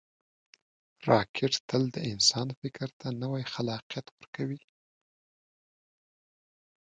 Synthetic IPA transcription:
ɾɑkʰɪʈt̪əld̪əɪnsɑnfɪkɾt̪anəwajxalɑqjat̪wəɾkawi

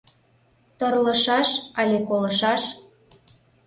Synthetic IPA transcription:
t̪ɤrlə̆ʃɑʃɑlʲekolɤ̆ʃɑʃ

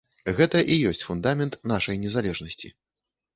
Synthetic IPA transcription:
ɣɛt̪ɐʔijɔsʲt͡sʲfund̪amʲɛnt̪naʂɐjnʲɛzalʲɛʐnɐsʲt͡sʲḭ

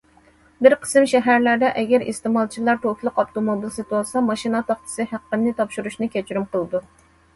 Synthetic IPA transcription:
bɪɾqʰə̥sɨmʃɛɦæɾlæɾd̪ɛʔɛɡʲæɾḭst̪emɑlˠt͡ʃʰilˠɑɾt̪ʰokʰʲlˠʊqɑpt̪omobilsit̪uɑsɑmɑʃinɑt̪ʰɑχt̪ʰɨ̥sɨhæqːənnɨt̪ʰɑpʃuɾuʃnɨkʲʰɛt͡ʃʰyɾymqʰəlˠɨd̪u

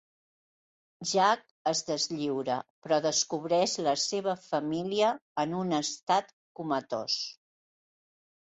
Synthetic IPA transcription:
ʒak̚əzðəzʎiwɾəpɾɔðəskuβ̞ɾɛʃləseβəfəmiliəːnunəst̪at̪ | kumət̪o̰s

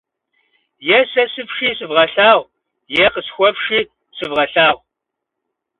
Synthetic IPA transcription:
jɛsɐsɨpʂiːsɨvʁɐɬaːʁʷ | jɛqəsxʷɔpʂiː | sɨvʁɐɬaːʁʷ

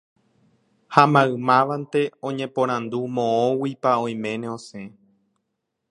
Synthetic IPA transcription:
hamãɨ̃mãʋant̪e̞õ̞ɲẽpõɾ̃ãnd̪umõõwipaõ̞j̃mẽ̞nẽõ̞sẽ

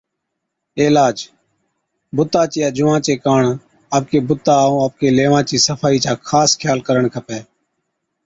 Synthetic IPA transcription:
eːlaːd͡ʒ | bʊt̪ːaːt͡ʃɪjaːd͡ʒʊʋãːt͡ʃeːkaːɳ | aːp̚keːbʊt̪ːaːũːaːp̚keːleːʋãːt͡ʃiːsəfʰaːiːt͡ʃaːkʰaːskʰjaːlkəɾəɳkʰəpeː

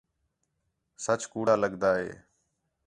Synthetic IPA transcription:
sət͡ʃkuːɽaːləɠd̪aːɦḛː

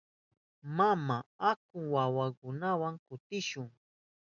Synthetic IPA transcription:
mamaak̚ʊŋwawakʊnawaŋkʊt̪ɪʃʊŋ

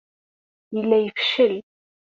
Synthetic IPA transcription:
jəlːæjəfʃəl

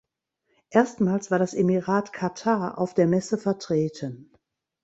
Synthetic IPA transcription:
ʔeːɐstmaːlsv̥aːɐɾasʔemiʁaːtkʰatʰaɐʔa̰ʊfd̥eːɐmɛsəfɛɐtʁ̥eːtʰən

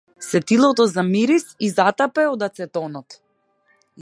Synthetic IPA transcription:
sɛt̪ilˠɔt̪ɔzamiɾisizat̪apɛod̪at̪sɛt̪ɔnɔt̪

